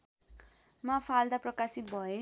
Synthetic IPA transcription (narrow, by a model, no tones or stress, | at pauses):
mapʰald̪aprʌkasit̪̚bʱʌe